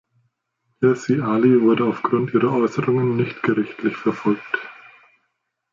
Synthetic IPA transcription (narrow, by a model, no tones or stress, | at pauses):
ɛsiʔaːlivʊɐdəaʊfɡ̥ʁʊntʔiːʁɐʔɔʏsəʁʊŋənːɪçtɡ̥əʁɪçtʰlɪçfɛɐfɔlk̚t